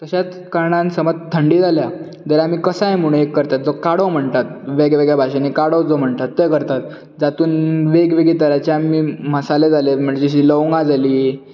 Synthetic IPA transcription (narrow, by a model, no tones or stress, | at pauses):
t̪əɕat͡s | kaɾɳãnsəmət̪t̪ʰːəɳɖiːd͡zʱalja | d̪əɾaamiːkəsaẽm̤uɽ̃ekːəɾt̪at̪̚d͡zokaɽəm̤əɳt̪at̪̚ʋeɡʋeɡjabʱaɕanikaɽowd͡zom̤əɳt̪at̪ːekəɾt̪at̪̚ | d͡zat̪uːnʋeɡʋeɡit̪əɾat͡ɕeamiːməsaled͡zalem̤əɳd͡ʑed͡ʑiɕiːləʋŋɡãd͡zaliː